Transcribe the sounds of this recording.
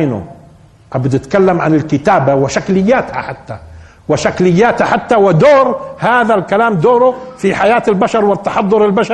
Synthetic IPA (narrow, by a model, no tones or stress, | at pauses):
nʊ̰ | ʔabd̪ʔɪt̪kalːamʕanɪlkɪt̪aːbawɪʃaklɪjːaːt̪ha̰ħat̪ːa | wɪʃaklɪjːaːt̪haħat̪ːawɪd̪oːɾhaːðalkalaːmd̪oːɾʊfiħajaːt̪ɪlbaʃɑɾˤwɪt̪ːɑħɑðˤːʊɾɪlbaʃɑ